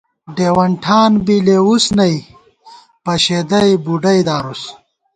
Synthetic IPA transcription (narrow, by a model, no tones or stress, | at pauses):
ɖeːwɐɳʈʰaːnbileusnɐj | pɐɕed̪ɐjbuɖɐjd̪aːɾus